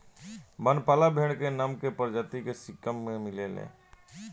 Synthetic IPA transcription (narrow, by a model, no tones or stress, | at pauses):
bənpaːlabʱeːɽ̃kenəmkepəɾd͡ʒət̪ikesɪkəmːẽmɪlelḛ̃ː